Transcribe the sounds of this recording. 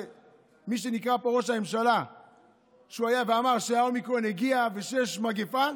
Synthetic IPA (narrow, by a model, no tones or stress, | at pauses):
miʃ̬e̞nikʁapeʁoʃ̬amemʃala | ʃuajaveamaʁʃeaomikʁoneɡiaveʃejeʃmaɡefan